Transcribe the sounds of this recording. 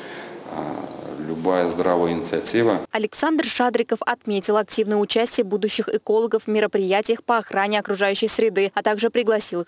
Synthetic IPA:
lʲʊbajəzd̪ɾavəjɪnʲɪt̪sɨɐtʲivəɐlʲɪksand̪rʂad̪ɾʲɪkəfɐt̪mʲetʲɪlˠɐk̚tʲivnəjəʊt͡ɕæsʲtʲɪjəbud̪ʊɕːɪxɪko̞lˠəɡəfmʲɪɾəpɾʲɪjætʲɪjəxpəɐxɾanʲɪɐkɾʊʐajʉɕːɪjsɾʲɪd̪ɨɐt̪aɡʐɨpɾʲɪɡlˠɐsʲilˠɨx

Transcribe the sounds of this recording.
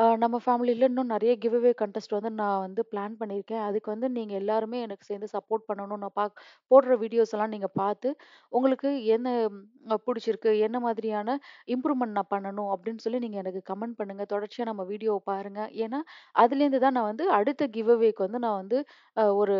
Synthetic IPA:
nɐmːɐfaːmɪlɪlːɐnːʊ̃nɪɾɐjɐɡɪʋeʋeːkɐɳʈɛsʈʋɐnd̪ɯnãːʋɐnd̪ɯplaːnpɐɳːɪɾɯkːẽːɐðɯkːɯʋɐnd̪ɯniːŋɡɐɛlːaːɾɯmeːɛnɐkːɯsɛjnd̪ɯsɐpːoːɾʈ̚pɐɳːɐɳʊ̃nãːpaːpoːʈɪɾɐʋiːɽɪjoːsɛlãːniːŋɡɐpaːɾt̪ɯ | ʊŋɡɐɭɯkːɯɛnːɐpʊɽɪt͡ʃːɪɾɯkːɯɛnːɐmaːðɪɾɪjaːnɐɪmpɾuːʋmɛɳʈnãːpɐɳːɐɳʊ̃ɐpːɐɽɪnːɯsɔlːiniːŋɡɐɛnɐkːɯkɐmɛɳɖ̚pɐɳːɯŋɡɐt̪ɔɽɐɾt͡ʃɪjaːnɐmːɐʋiːɽɪjoːpaːɾɯŋɡɐʔeːnːaːʔɐðɪlɛɾɯnd̪ɯt̪ãːnãːʋɐnd̪ɯɐɽɯt̪ːɐɡɪʋeʋeːkːɯʋɐnd̪ɯnãːʋɐnd̪ɯ | ɔɾɯ

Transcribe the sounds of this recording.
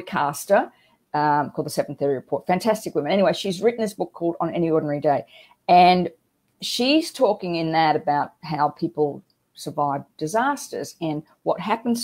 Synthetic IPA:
d̚kʰɑstə˞ | kʰɔlˠd̪ðəsɛvn̩θiɹiɹɨpʰɔɹtfæ̃ntʰæstɨkwʊ̃mə̃ñɛniweɪʃizɹɪʔn̩ðɪsb̥ʊkʰːɔlˠdn̩ɛ̰ñiɔɹdⁿn̩ɛɹideɪ | ɨ̃n | ʃiz̥tʰɔkɪ̃ŋɪ̃nðɨɾɨbaʊt̚ɦaʊpʰipl̩ˠ | sə˞vaɪvd̥ɨzæstə̰˞zɨ̃n | wʌt̚ɦæpn̩z

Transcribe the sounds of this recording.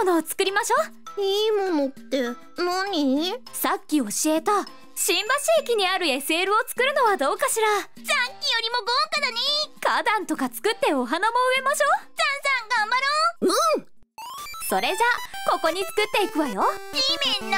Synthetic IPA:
anoːt͡sɨ̥kɯ̟ɾʲimaɕo̞ː | iːmomot̪ːe | moɲʲi | sakʲːio̞ɕie̞t̪a | ɕĩmbaɕiːkʲiɲ̟iaɾɯ̟e̞se̞ːɾɯ̟o̞t͡sɨ̥kɯ̟ɾɯ̟no̞βad̪o̞ːkaɕiɾa | zãŋkʲijo̞ɾʲimo̞ɡokad̪aɲʲikad̪ãnt̪o̞kat͡sɨ̥kɯ̟t̪ːe̞o̞ɦanamo̞ɯ̟e̞maɕo̞ːzãɰ̃sãŋɡãmbaɾoɯ | so̞ɾe̞ʑako̞ko̞ɲ̟it͡sɨ̥kɯ̟t̪ːe̞ikɯ̟βajo̞imẽnːa

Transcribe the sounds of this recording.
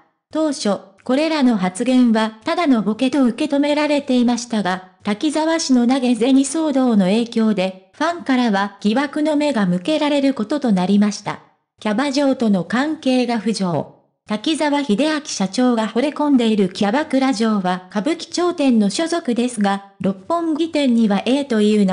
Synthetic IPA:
t̪o̞ːɕo̞ | ko̞ɾe̞ɾano̞ɦat͡sɨɡẽ̞ɰ̃βat̪ad̪ano̞bo̞ke̞t̪o̞ɯ̟ke̞t̪o̞me̞ɾaɾe̞t̪e̞imaɕi̥t̪aɡat̪akʲizaβaɕino̞naɡe̞ze̞ɲ̟iso̞ːd̪o̞ːno̞e̞ːkʲo̞ːd̪e̞ɸãŋkaɾaβaɡ̥ʲiβakɯ̟no̞me̞ɡamɯ̟ke̞ɾaɾe̞ɾɯ̟ko̞t̪o̞t̪o̞naɾʲimaɕi̥t̪a̰ | kʲabaʑo̞ːt̪o̞no̞kãŋke̞ːɡaɸɯ̟ʑo̞ː | t̪akʲizaβaçid̪e̞akʲi̥ɕat͡ɕo̞ːɡaho̞ɾe̞kõ̞nd̪e̞iɾɯ̟kʲabakɯ̟ɾaʑo̞ːβakabɯ̟kʲi̥t͡ɕo̞ːt̪ẽ̞nːo̞ɕo̞zo̞kɯ̟d̪e̞sɨɡa | ɾo̞pːõ̞ŋɡʲit̪ẽ̞ɲ̟ːiβaʔe̞ːt̪o̞iɯ̟ːn

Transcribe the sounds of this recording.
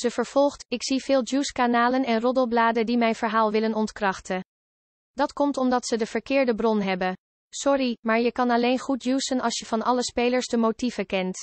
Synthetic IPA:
z̥əvəɹv̥ɔlˠχtɪksivɪːlˠd͡ʒuːskanaːlənɛnrɔdəlˠblaːdədimɛjnvəɹɦaːlˠʋɪlənɔntkrɑχtə | d̥ɑtkɔmtɔmdɑtsədəv̥əɹkɪːɹdəbrɔnɦɛbə | sɔrimaːɹjəkɑnɑlejnχut̚juːsənɑlˠsjəv̥ɑnɑləspejləɹsdəmowtivəkɛnt

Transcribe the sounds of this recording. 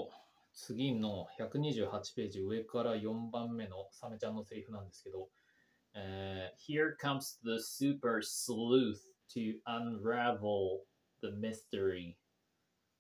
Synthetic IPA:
t͡sɨɡʲino̞çakɯ̟ɲ̟iʑɨːhat͡ɕi̥pe̞ːʑiɯ̟e̞kaɾajõ̞mbãmːe̞no̞same̞t͡ɕãnːo̞seɾʲiɸɯ̟nãnd̪esɨ̥ke̞d̪o̞ | çiɹkʰʌ̃msðəsʉpə˞slʉθtʰɨɐ̃nɹævl̩ˠ | ðəmɪstə˞i

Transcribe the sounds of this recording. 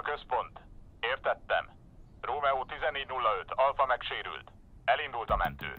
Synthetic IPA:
kø̞spo̞nt̪eːrt̪ɛt̪ːɛ̰m | roːmɛut̪izɛnːeːɟnulːɒøt̪ɒlfɒmɛkʃeːɾy̰lt̪ | ɛlind̪ult̪ɒmɛ̰nt̪ø̰ː

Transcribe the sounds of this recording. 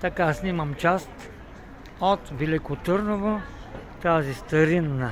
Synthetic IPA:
t̪ɐkasnʲiməmt͡ʃast̪ | ɔt̪vɛlikʊt̪əɾnovo | t̪azist̪ɐɾinːə

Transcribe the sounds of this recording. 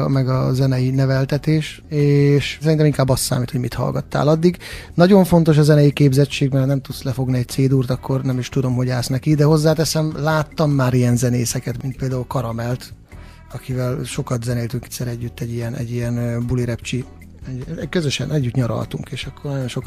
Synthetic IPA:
mɛɡɒzɛnɛjinɛvɛlt̪ɛt̪eːʃeːʃsɛɾint̪ɛmiŋkaːbːɒst̪sa̰ːmit̪ho̞ɟmit̪hɒ̰lɡɒ̰t̪ːa̰ːlɒd̪ːiɡnɒɟo̞ɱfo̞n̪t̪o̞ʃ̬ɒzɛnɛjikeːbzɛt͡ʃːeːɡmɛrhɒnɛmt̪ut̪slɛfo̞ɡniɛc̚t̪seːd̪uːrt̪ɒkʰːo̞rnɛmiʃt̪ud̪o̞mɦo̞ɟaːsnɛkid̪ɛho̞zːaːt̪ɛsɛmlaːt̪ːɒmːaːɾijɛnzɛneːsɛkɛt̪mint̪̚peːld̪aːulkɒɾɒmɛlt̪ | ɒkivɛlʃo̞kɒt̪zɛneːlt̪yŋkɛsɛɾɛɟːyt̪ːɛɟːijɛnɛ̰ɟːijɛnøbuliɾɛpt͡ʃi | ɛɛkøzøʃɛ̰nɛɟːyt̪ɲɒɾɒ̰lt̪uŋkeːʃɒkːo̞rnɒjo̞nʃo̞k

